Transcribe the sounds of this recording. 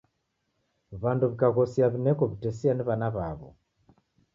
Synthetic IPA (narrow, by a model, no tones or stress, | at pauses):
βanduβikaɣɔsiaβinɛkɔβitɛsianiβanaβaβɔ̰